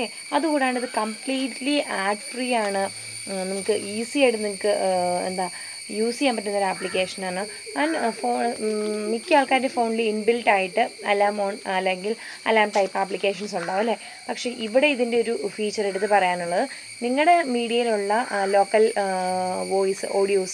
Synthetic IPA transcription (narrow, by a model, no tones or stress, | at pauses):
e | ɐðukuːɽejaːɳiðɨkɐmpliːʈliʔaːɖfriaːɳɨ | nɐmukːɨʔiːsieɽunimukːɨḛnd̪aː | juːsijaːmpɐtːunːoɾapːlik̬ʲːe̞ːʂɐnaːɳɨ | kaːnfoːmikːaːɭkaːɾindefo̞ːnliːnbilʈaːjiʈːɨɐlːaːmoːɳɐlːe̞ŋɡil | ɐlːaːmʈɐjpːaplikʲːe̞ːʂ̬ɐnsuɳɖaːʋɐlːe̞ | pɐkʂe̞ːʔiʋiɽe̞iðinde̞o̞ɾufiːt͡ɕːɐreɽut̪ːɨpɐrɐjaːnuɭːɐðɨ | niŋːɐɭɽe̞miːɽijɐjiluɭːɐlo̞ːkːɐl | ʋo̞ːjisɨ̰ʔo̞ːɽijoːs